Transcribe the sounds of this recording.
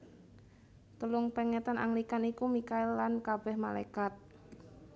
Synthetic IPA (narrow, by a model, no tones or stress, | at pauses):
t̪əlʊŋpɛŋɛt̪anʔa̰ŋlikanikumikaɪlːankab̥ɛhmala̰kat̪̚